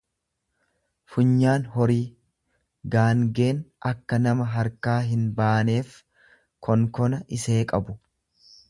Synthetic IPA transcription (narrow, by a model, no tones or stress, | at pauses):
fʊɲːaːnɦɔɾiː | ɡaːŋɡe̞ːnɐkːɐnɐmɐɦɐɾkaːɦɪnbaːne̞ːf | kʰɔŋkɔnɐʔɪse̞ːkʼɐbʊ